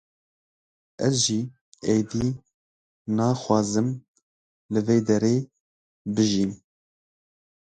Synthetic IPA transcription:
ɛzʒiː | ejd̪iː | nɑːxʷwɑːzɨm | lɨveːd̪ɛɾeː | bɨʒin

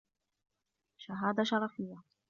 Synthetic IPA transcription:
ʃaɦaːd̪aʃɑɾˤɑfɪjːa

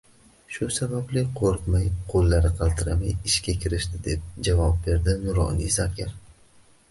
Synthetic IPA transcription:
ʃʊsabablɪqʰoɾt̪majqʰolˠːaɾɪqʰɑlˠt̪ʰɪɾamajɪʃkʲakʲʰɪɾɪʃt̪ɪd̪e̞p̚d͡ʒavɒp̚be̞ɾd̪ɪnʊɾɒ̰nizakʲaɾ

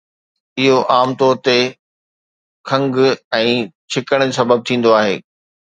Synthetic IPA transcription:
ɪɦoʔaːmt̪ɔːɾt̪e | kʰɐ̃ŋɡɛ̃ːt͡ɕʰɪkəɽ̃d͡ʑsɐbəb̚t̪ʰĩːn̆d̪oaːɦeː

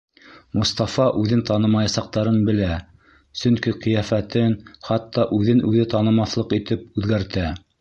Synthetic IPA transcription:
mŏst̪ɑfɑʔʉðɘnt̪ɑnɤ̆mɑjɑsɑq̚t̪ɑɾɤnbɘ̆læ | sɵ̆ŋkiqɤ̆jæfæt̪ɘnχɑt̪ːɑʔʉðɘnʔʉðɘt̪ɑnɤ̆mɑθlˠɤqit̪ɘp̚ʉðɡæɾt̪æ

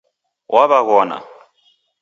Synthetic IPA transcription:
wʔaβaɣɔna̰

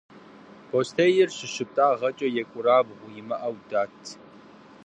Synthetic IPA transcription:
pʰostʰejɪrɕɪɕɪp̚tʼaːʁɐt͡ʃʼɐjɛkʷʼʊɾaːbʁʷʊjɪmɐʔɐwdaːtʰ

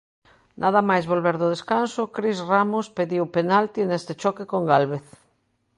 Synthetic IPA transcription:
nʔaðamajzβolβeɾðʊð̞eskansʊkɾizramospeðiwpenalt̪inest̪et͡ʃɔkekoŋɡalβeθ

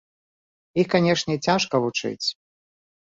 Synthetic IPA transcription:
ixkanʲɛʂnʲɛt͡sʲaʂkɐvut͡ʂɨ̰t͡sʲ

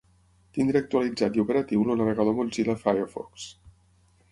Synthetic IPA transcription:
t̪ind̪ɾeək̚t̪uəlid͡zat̪iupəɾət̪iwlunəβəɣəðomunziləfajəfɔ̰ks

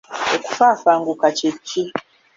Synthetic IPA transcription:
oku̥fafaŋɡukat͡ʃet͡ʃi

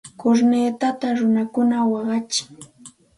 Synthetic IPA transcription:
kʊɾneːt̪at̪aɾʊnakʊnawɑɢɑt͡ʃɪ̥ŋ

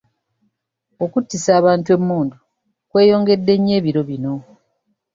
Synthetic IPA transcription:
o̞kutːisaːβaːntue̞mːuːndu | kwe̞ːjo̞ːŋɡe̞dːe̞ɲːe̞ːβiɾo̞βino̞

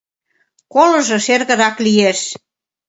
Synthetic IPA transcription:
kolɤ̆ʒɤ̆ʃerɣə̆ɾɑklijeʃ

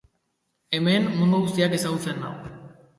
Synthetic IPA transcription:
e̞me̞nmund̪uɣust̪iake̞saɣut͡se̞nːa̰w

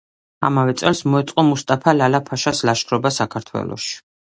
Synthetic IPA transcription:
a̰mavɛt̪sʼɛlˠsmɔɛt̪sʼqʼɔmust̪ʼapʰalalapʰaʃaslaʃχɾɔbasakʰaɾt̪ʰwɛ̰lˠɔ̰ʃi̥

